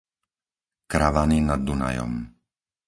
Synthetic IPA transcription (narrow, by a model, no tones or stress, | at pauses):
kɾaʋaninad̪ːuna̰jɔ̰m